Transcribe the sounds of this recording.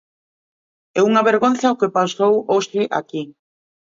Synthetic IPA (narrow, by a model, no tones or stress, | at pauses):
ɛuŋaβeɾɣonθaokepasowoʃɪʔa̰ki